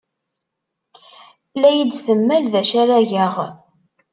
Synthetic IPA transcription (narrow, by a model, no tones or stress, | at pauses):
læjid̪θəmːælðæʃæɾæʝəʁ